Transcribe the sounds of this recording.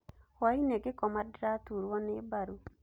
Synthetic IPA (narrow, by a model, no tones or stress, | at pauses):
waineɡɪkɔmadɾatuɾwɔnebaɾu